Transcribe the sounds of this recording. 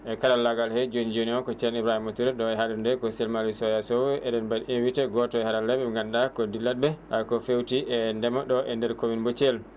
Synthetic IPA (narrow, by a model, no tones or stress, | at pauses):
ʔɛkaɗalːaɡalhɛd͡ʒond͡ʒioniɔkɔt͡ʃɛnibɾahimɔtuɾɛɗɔɛhadundɛkɔsɛlmalisɔjasɔwɛʔɛɗɛnbadimwitɛɡɔtɔɛhaɾalɛbɛŋɡandakɔdilad̚bɛakɔfewtiɛndɛmaɗɔʔɛndɛɾkowinbɔt͡ʃɛl